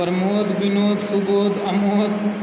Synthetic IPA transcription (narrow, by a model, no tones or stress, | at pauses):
əɾmoːd̪ʋinoːd̪suboːd̪ɐmod̪